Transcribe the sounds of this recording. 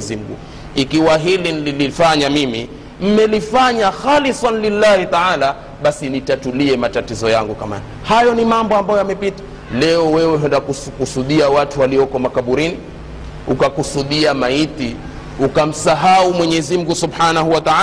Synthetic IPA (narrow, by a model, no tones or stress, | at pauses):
ɛzim̩ɡṵ | ikiwaɦilinililifaɲamimi | m̩mɛlifaɲaxalisanlilːahit̪aʕaːla | ɓasinitatuliɛmatatizɔjaŋɡukama̰na | hajɔnimambɔambajɔjamɛpitḁ | lɛɔwɛwɛɦɛndakuskusuɗiawatuwaliɔkɔmakaɓuɾini | ukakusuɗiamait̪i | ukam̩saɦaumwɛɲɛzim̩ɡusubħanaɦuwat̪a